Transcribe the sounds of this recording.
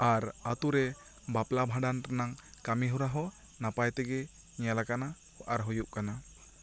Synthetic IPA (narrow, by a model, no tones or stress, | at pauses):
aɾat̪uɾɛ | baplabʱaɖant̪anaŋkamiɦuɾaɦɔ | napajt̪ɛɡɛ | ɲjalakana | hɔʔaɾɦujuʔkana